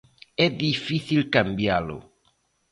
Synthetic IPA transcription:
ɛðifiθilkãmbjalo̰

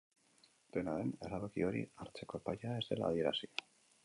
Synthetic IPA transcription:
d̪̥enaðeneraβakio̞ɾḭaɾt͡se̞ko̞paʎae̞zd̪e̞̰la̰ːðie̞ɾasi̥

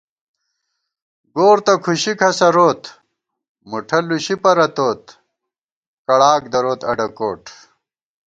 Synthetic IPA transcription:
ɡoːɾt̪ɐkʰuɕikʰɐsɐɾoːt̪ | muʈʰɐluɕipɐɾɐt̪oːt̪ | kɐɽaːk̚d̪ɐɾoːt̪ɐɖɐko̰ːʈʰ

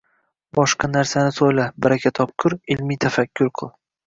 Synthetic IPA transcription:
bɒʃqɑnaɾsanɪsojlabɪɾakʲʰat̪ʰɒp̚kʲʰʊɾɪlmijt̪ʰafakʲʰːʊɾqʰɨlˠ

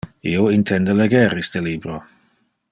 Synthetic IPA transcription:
ioint̪ʰɛnd̪əlɛɡɛɾist̪əlibɾo

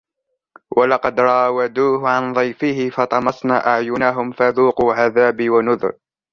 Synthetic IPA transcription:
wʔalɑqɑd̪ɾˤɑːwad̪uːhʊʕanðˤɑjfɪhɪfɑt̪ˤɑmɑsˤna̰ːʔaʕjʊnaɦʊmfaðuːquːʕaðaːbɪwanʊðɾ

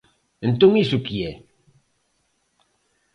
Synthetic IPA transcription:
nt̪uŋisukie

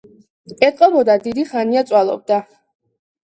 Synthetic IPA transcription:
ɛt̪ʼqʼɔbɔd̪ad̪id̪iχaniat̪sʼwalˠɔ̰b̚d̪a

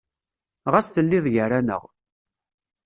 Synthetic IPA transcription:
ʁæsθəlːɪðˤjəɾænə̰ʁ

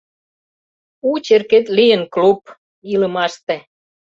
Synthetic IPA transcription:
ut͡ɕerket̪lijənklup̚ | ilə̆mɑʃt̪e

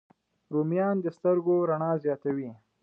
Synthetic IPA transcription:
ɾumijɑnd̪əst̪əɾɡoɾaɳɑzjɑt̪awi

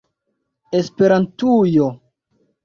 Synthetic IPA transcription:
espeɾantujo

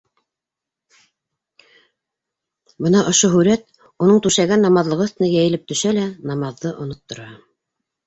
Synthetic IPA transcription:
bɤnɑʔŏʃoɦʉɾæt̪̚ | unɤɴt̪ʉʃæɡænːɑmɑðlˠɤ̆ʁɤθt̪ɘ̆nɘjæjɘ̆lɘp̚t̪ɵ̆ʃælænɑmɑðːɤʔŏnŏt̪ːŏɾɑ

